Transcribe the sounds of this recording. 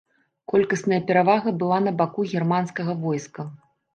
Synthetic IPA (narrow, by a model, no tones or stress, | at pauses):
kɔlʲkɐsnɐjɐpʲɛɾavaɣɐbɨlˠanɐbakuɣʲɛrmanskɐɣɐvɔjskɐ